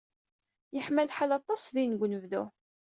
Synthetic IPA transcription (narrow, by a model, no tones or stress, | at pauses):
jəħmælħalɑt̪ˤːɑsˤðinɡʷnəvðu